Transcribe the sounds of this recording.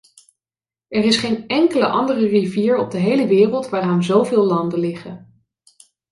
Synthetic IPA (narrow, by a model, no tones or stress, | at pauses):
ɛrɪsχejnɛŋkələʔɑndərəriviːɹɔb̚dəɦejləʋɪːrəlˠtʋaːraːnzowvɪːlˠlɑndəlɪχən